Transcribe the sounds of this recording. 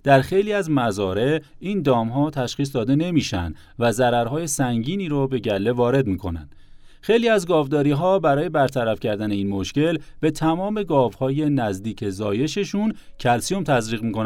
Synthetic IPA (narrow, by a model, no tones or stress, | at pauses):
d̪̥æɾxe̞jliːæzmæzɒːɾe̞ | iːnd̪ɒːmɦɒːt̪ʰæʃχiːs̬d̪ɒːd̪e̞ne̞miːʃæ̰nd̪̥ | væzæɾæɾɦɒːje̞sæŋɟiːniːɾobe̞ɟælːe̞vɒːɾe̞d̪miːkʰo̞̰næ̰nd̪̥ | xe̞jliːæzɡɒːvd̪ɒːɾiːɦɒːbæɾɒːje̞bæɾt̪ʰæɾæfcʰæɾd̪æne̞iːnmo̞ʃce̞lb̥e̞t̪ʰæmɒːme̞ɡɒːvhɒːje̞næzd̪iːcʰe̞zɒːje̞ʃe̞ʃuncʰælsijomt̪ʰæzɾiːɣmiːkonæ